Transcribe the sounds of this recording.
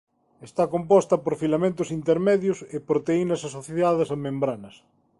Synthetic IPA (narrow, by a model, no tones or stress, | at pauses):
est̪akompɔst̪ɐpoɾfilamẽnt̪ʊsint̪eɾmɛðjʊsepɾot̪einɐsasoθiðaðesamẽmbɾanɐs